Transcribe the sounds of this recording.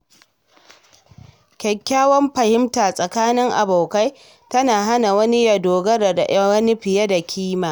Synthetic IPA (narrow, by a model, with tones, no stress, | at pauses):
kʲɛ˨kʲːaː˦wɔ˦mɸɐ˨hɪ˦mtaː˨sʼɐ˨kaː˦nɪ˦ŋʔa̰˨bo˨ka˦j | tɐ˦naː˨ɦa˦na˨wɐ˦ni˦ja˨doː˨ɡɐ˦ɾa˨da˨ʔɐ˦wɐ˦ni˦ɸɪ˨je˦da˨kʲʰiː˦maː˨